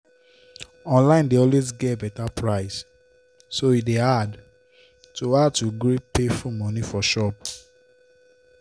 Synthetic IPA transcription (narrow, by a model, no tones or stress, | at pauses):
ɔ̃nlãɪ̃ndeɔlwezɡɛt̚bɛtapʰɹaɪsː | oidead | toatuɡɹipefumɔ̃nifɔʃɔp̚